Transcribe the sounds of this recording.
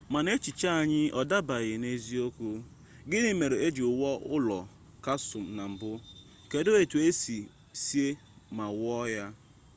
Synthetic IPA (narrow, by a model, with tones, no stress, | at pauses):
ma˨ne˦t͡ʃi˨t͡ʃa˦a˨ɲɪ˦ʔɔ˨da˦ba˨ɣɪ˨ne˦zi˦o˦kʷu˦ | ɡɪ˦nɪ˦me˨ɾe˨e˦d͡ʒi˨ʊ˨wɔ˦ʊ˦lɔ˨ | ka˦sʊ˨m̩˨na˨m̩˨bʊ˦˨ | ke˦do˦e˨tu˨e˦si˨ | si˦e˦ | ma˨wɔ˦ja˦